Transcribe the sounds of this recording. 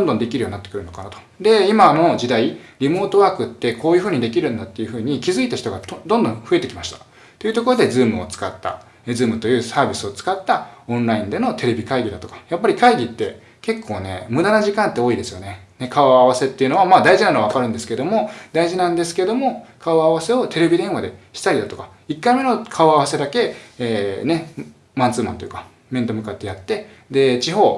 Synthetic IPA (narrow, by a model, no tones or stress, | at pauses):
d̪ond̪o̞nd̪e̞kʲiɾɯ̟oninat̪ːkɯ̟ɾɯ̟no̞kanat̪o̥ | d̪e̞imano̞ʑid̪aiɾʲimo̞ːt̪o̞βaːkɯ̟t̪ːe̞ko̞ːjɯ̟ɸɯ̟ːɲ̟id̪e̞kʲiɾɯ̟̃nd̪at̪ːe̞jɯ̟ɸɯ̟ːɲ̟ikʲizɨit̪açi̥t̪oɡad̪õ̞nd̪õ̞ɸɯe̞t̪e̞kʲimaɕi̥t̪ḁ | t̪ːo̞jɯ̟t̪o̞k̬o̞ɾo̞d̪e̞zɨːmɯ̟o̞̰t͡sɨ̥kat̪ːa̰ | ed͡zzɨːmɯ̟t̪o̞jɯ̟ːsaːbʲisɨo̞t͡sɨ̥kat̪ːaõ̞nɾaĩnd̪e̞no̞t̪e̞ɾe̞bʲikaiɡʲid̪at̪o̞kḁjapːaɾʲikaiɡʲit̪ːe̞ | ke̞kʰːo̞ːne̞̰mɯ̟d̪anaʑikãnt̪ːeo̞ːid̪e̞sɨjo̞ne̞ne̞kaoaβase̞t̪ːe̞iɯ̟no̞β̞amaːd̪aiʑinanoaβakaɾɯ̟nd̪esɨ̥ke̞d̪o̞mo̞d̪aiʑinãnd̪e̞s̬ɨ̥ke̞d̪o̞mo̞kaoaβase̞o̞t̪e̞ɾe̞bʲid̪ẽ̞ɰ̃βad̪e̞ɕi̥t̪aɾid̪at̪o̞kḁ | ikːaime̞no̞kʰaoaβase̞d̪ake̞ː | ne̞ | mãnt͡sɨːmã̰nt̪ojɯ̟ka | mẽ̞nt̪o̞mɯ̟kat̪ːe̞jat̪ːe̞ | d̪e̞t͡ɕiɦo̞ː